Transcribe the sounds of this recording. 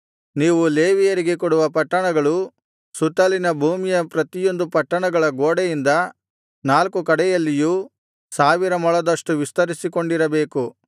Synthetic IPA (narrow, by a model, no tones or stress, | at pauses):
niːʋuleːʋijɐɾiɡekɔɽuʋɐpɐʈːɐɳɐɡɐɭu | sut̪ɐlinɐbʱuːmijɐpɾɐt̪ijo̞nd̪upɐʈːɐɳɐɡɐɭɐɡoːɽɛjind̪ɐ | naːlkukɐɽɛjɐlːiju | saːʋiɾɐmɔɭɐd̪ɐʂʈuʋist̪ɐɾisiko̞ɳɖiɾɐbe̞ːku